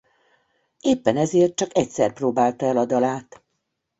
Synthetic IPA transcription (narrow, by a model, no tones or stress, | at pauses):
eːpːɛnɛzeːrt̪̚t͡ʃɒkɛcsɛ̰rproːbaːlt̪ɒɛlɒd̪ɒlaːt̪